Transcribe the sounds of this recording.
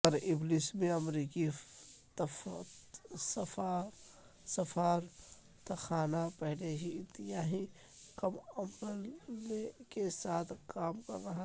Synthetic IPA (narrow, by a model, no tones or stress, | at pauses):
ɐɾɪblismẽɐmɾiːkit̪ | sɐfa | sɐfaːɾ | t̪ɐxaːnapɛɦleɦiɪt̪ːɪjaːɦĩ | kɐmɐmɾəlekesaːt̪ʰkaːmkɐ̰ɾːɐɦa